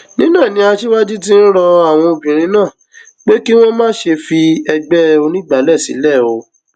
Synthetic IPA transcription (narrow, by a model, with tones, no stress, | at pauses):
nĩ˦nãː˦˨nĩ˧˦a˧ʃi˦wa˦d͡ʒi˦t̬i˦n̩˦ɾɔ˧a˦˨w̃ɔ̃˧o˧˨bĩ˨ɾ̃ĩ˨˦nãː˦˨ | k͡pe˦ki˦w̃ɔ̃˦mãː˦ʃe˧fi˧ɛ˧ɡ͡bɛ˦˧o˧nĩ˦˨ɡ͡ba˨˦lɛ˦˨sḭ˨˦lɛ˦˨o˧